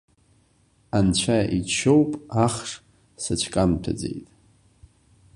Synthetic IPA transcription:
ant͡ɕʷʰaʔit͡ʃʰo̞wpʼaχʂ | sat͡ʃʷʰkʼamtʰa̰d͡ze̞̰jtʼ

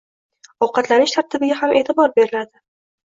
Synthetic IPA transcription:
ɒwqɑt̪lanɪʃt̪ʰaɾt̪ʰɪbɪɡʲahamʔe̞ːt̪ʰɪbɒɾbe̞ɾɪlad̪ɪ

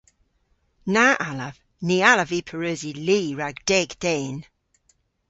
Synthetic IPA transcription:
naːʔaləv | niːaləviːpʰəɹøːziliːɹaɡd̥ɛɡd̥ɛːn

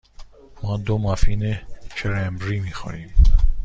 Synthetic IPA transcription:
mɔːd̪omɑfiːnet͡ʃʰeɾembɾiːmiːxo̰niːm

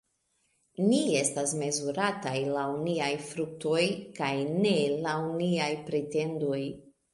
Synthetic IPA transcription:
nie̞stasme̞zuɾatajlauniajfɾuk̚to̞jkajne̞launiajpɾete̞ndoj

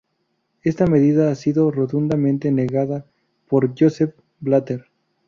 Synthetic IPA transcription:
e̞st̪ame̞ðiðaasiðo̞rot̪und̪amẽnt̪e̞ne̞ɣaða | po̞ɾʝosef | blat̪eɾ

